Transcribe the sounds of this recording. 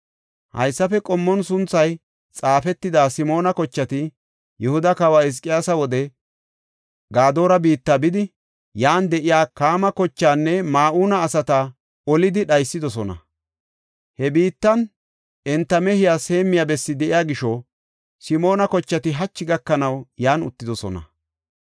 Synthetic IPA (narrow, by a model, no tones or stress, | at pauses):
hɐ̰jsːɐfɛkʼɔmːɔnsʊnt͡sːɐj | t͡sʼaːfɛt̪ːɪd̪aːsɪmo̞ːnɐkɔt͡ʃːɐt̪ɪ | jɛhʊd̪ɐkɐwaːɪs̬kʼɪjaːsɐwɔd̪ɛ | ɡaːd̪o̞ːɾɐbiːt̪ːabɪd̪ɪ | jaːnd̪ɛʔɪjaːkaːmɐkɔt͡ʃːaːnːɛmaːʔuːnɐːsɐt̪ɐ | ɔlɪd̪ɪɗɐjsːɪd̪ɔsɔnɐ̰ | hɛbiːt̪ːɐn | ɛnt̪ːɐmɛhɪjaːse̞ːmːɪjabɛsːɪd̪ɛʔɪjaːɡɪʃɔ | sɪmo̞ːnɐkɔt͡ʃːɐt̪ɪɦɐt͡ʃːɪɡɐkːɐnɐwjaːnʊ̰t̪ːɪd̪ɔsɔ̰nɐ̰